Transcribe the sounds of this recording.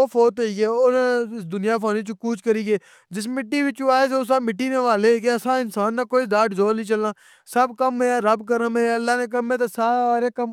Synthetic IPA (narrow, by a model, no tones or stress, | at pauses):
oːpʰoːt̪ːiːɡeːʊñːɪsd̪ʊnɪjaːp̬ʰaːniːt͡ʃukuːt͡ʃkəɾiːɡeː | d͡ʒɪsmɪʈːiːʋɪt͡ʃuaːeːsʊsaːmɪʈːiːneːʋaːleːkeəsãːɪnsaːnːaːkoːid̪aːʈzoːlĩːt͡ʃəlãː | səbkəmɦeːɾəbkəɾəmɦeːəlːaːneːk̬əmeːt̪̬esaːaːɾeːkəm